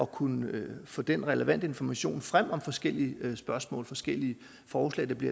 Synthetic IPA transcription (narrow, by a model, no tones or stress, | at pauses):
ɒ̽kʰunəfɔ̽ːd̥enʁɛləʋæn̰d̥əe̝nfɒmæɕo̝̰ːnfʁam̰ɒ̽mfɒ̽sɡ̥el̰iəsb̥ɶɐsmɔ̰̽ːlfɒ̽sɡ̥el̰iə | fɒːslɛ̰ːɪd̥ɑ̈b̥liɐ